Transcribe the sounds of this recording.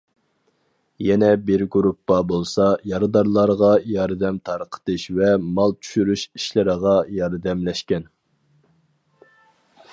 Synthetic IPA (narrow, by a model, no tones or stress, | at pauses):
jɛnɛbɪɾɡuɾupːɑbolˠsɑjɑɾɨd̪ɑɾlˠɑɾʁɑjɑɾd̪ɛmt̪ʰɑɾqʰə̥t̪ɨʃvɛmɑlˠt͡ʃ̪ʰy̥ʃyɾyʃi̥ʃlɪɾəʁɑjɑɾd̪ɛmlɛʃkʲɛn